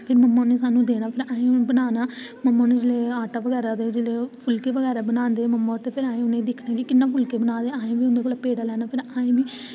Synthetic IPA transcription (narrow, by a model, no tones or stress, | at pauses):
pʰɪɾməmːaːʊnẽːsaːnːũːd̪eːnaːpʰɪɾaːẽːbənaːnaːməmːãːnũːd͡ʒeleːaːʈaːʋəɡɛːɾaːd̪eːd͡ʒɪleːpʰʊlkeːʋəɡɛːɾaːbənãːnd̪eːməmːaːʊɾt̪eːpʰɪɾãːẽːʊnẽːd̪ɪkʰnaːkɪkɪnːãːpʰʊlkeːbənaːd̪eːaːẽːʋiːʊnd̪eːkoːlapeːɽaːlɛːnaːpʰɪɾaːẽːbiː